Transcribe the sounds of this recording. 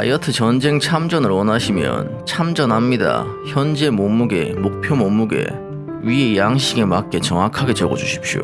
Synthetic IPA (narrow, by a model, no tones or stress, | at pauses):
a̰jʌtʰɯt͡ɕʌnd͡ʑe̞ŋt͡ɕʰamd͡ʑʌnɯɾwʌnaɕʰimjʌ̰n | t͡ɕʰamd͡ʑʌnɦamɲida̰çjʌnd͡ʑe̞momuɡe̞mok̚pʰjomomːuɡe̞̰ | ɥie̞jaŋɕʰiɡe̞mak͈e̞t͡ɕʌŋakʰaɡe̞t͡ɕʌɡʌd͡ʑuɕʰi̥p̚ɕ͈io̰